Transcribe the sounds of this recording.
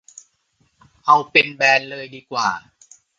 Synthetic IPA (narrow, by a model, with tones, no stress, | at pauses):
ʔa˧wpe˧nbɛː˧nlɤː˧jdiː˧kwaː˨˩